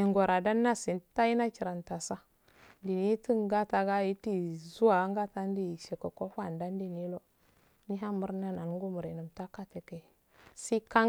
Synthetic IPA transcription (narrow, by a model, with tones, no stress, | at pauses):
e˨ŋɡo˨ɾa˨da˦nːa˦si˨n˦ta˦i˦na˦ki˨ɾa˨nta˨sa˦ | ndi˨ni˦ti˦ŋɡa˦ta˨ɡa˦ji˦ti˦zu˦a˨˦ŋɡa˦ta˦n˦di˦˨ʃe˨ka˨ko˦fa˦˨nda˦n˦di˦˨ni˦lo˦ | ni˦ɦa˦mu˦ɾna˦na˨n˦ŋɡu˦mu˨ɾe˨nu˨mta˦ka˦te˨ke˨ | si˦ka˦